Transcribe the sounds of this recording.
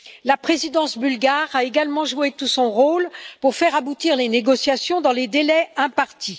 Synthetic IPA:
lapχezid̪ɑ̃sbylɡaʁaeɡalmɑ̃ʒuet̪usɔ̃ʁolpuʁfɛʁabut̪iʁleneɡɔsjasjɔ̃d̪ɑ̃led̪elɛɛ̃paʁt̪i

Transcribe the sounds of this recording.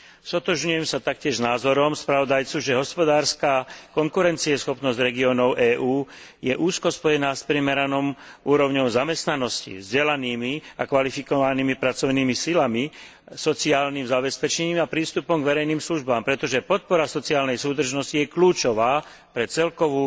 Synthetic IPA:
sɔt̪ɔʒɲujɛmsat̪ak̚cɪɛʒnaːzɔɾɔmspɾaʋɔd̪ajt͡suʒɛɦɔspɔd̪aːɾskaːkɔŋkuɾɛnt͡siɛsxɔpnɔzɟɾɛɡiɔːnɔʊʔɛːʔuː | jɛʔuːskɔspɔjɛnaːspɾimɛɾanɔmuːɾɔʊɲɔʊzamɛst̪nanɔscḭvzɟɛlaniːmiakʋalifikɔʋaniːmipɾat͡sɔʊniːmisilami | sɔt͡siaːlnimzabɛspɛt͡ʃɛɲiːmapɾiːst̪upɔmɡʋɛɾɛjniːmsluʒbaːmpɾɛt̪ɔʒɛpɔt̪̚pɔɾasɔt͡siaːlnɛjsuːd̪r̩ʒnɔscijɛkluːt͡ʃɔʋaː | pɾɛt͡sɛlkɔʋuː

